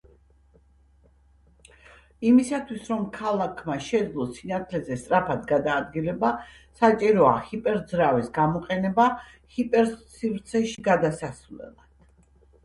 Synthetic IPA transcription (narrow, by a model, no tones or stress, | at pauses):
imisat̪ʰwisɾɔmkʰalˠakʰmaʃɛd̪zlˠɔsinat̪ʰlɛzɛst̪ʼɾapʰad̪ɡad̪aːd̪̚ɡilɛba | sat͡ʃʼiɾɔa̰hipʼɛɾd̪zɾavisɡamɔqʼɛnɛba | hipʼɛɾsːivɾt̪sʰɛʃiɡad̪asasvlɛ̰lˠad̪̥